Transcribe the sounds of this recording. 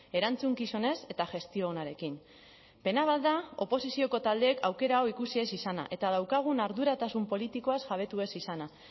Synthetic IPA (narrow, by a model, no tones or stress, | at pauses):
e̞ɾant͡suŋkiso̞ne̞se̞t̪aʝe̞st̪io̞ːnaɾe̞kin | pe̞naβald̪ao̞po̞sisio̞ko̞t̪ald̪e̞ːkawke̞ɾaoikusie̞sisana̰ʔe̞t̪að̞awkaɣ̞unaɾðuɾat̪asumpo̞lit̪iko̞asʝaβ̞e̞t̪ue̞sisana